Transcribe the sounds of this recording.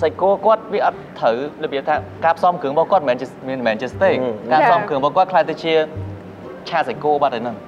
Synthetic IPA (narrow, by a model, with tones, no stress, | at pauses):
sac̚kːoəkŏət̪̚ʋiəʔɑ˧t̪̚ʰːəwlɔ˨ɓi˩əp̚t̪ʰaː˧kaː˧pʰsɑ˧mkʰɨ˩əŋɓɑ˧hko˧ət̚mɛː˨nt͡ɕiəmiənmɛː˨nt͡ɕi˧əst̪eːk̚kaː˧sɑ˧mkʰɨ˨əŋɓɑ˧hkŏ˧ət̚kʰlaː˧jt̪a˧t͡ɕi˧ə | t͡ɕʰaː˧sa˩c̚kːo˧əɓaː˧t̪ːə˧˩nɨŋ